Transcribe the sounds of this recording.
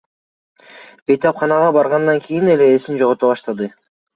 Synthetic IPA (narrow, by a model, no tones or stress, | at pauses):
be̞jt̪ɑpχɑnɑʁɑbɑɾʁɑnd̪ɑŋkʰʲijineleːsind͡ʒo̞ʁot̪oβɑʃt̪ɑd̪ɯ